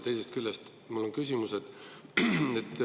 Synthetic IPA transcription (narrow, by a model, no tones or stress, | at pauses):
t̪e̞jsest̪̚kylʲːest̪ | mulːo̞nkysʲimused̪̥ | et̪ː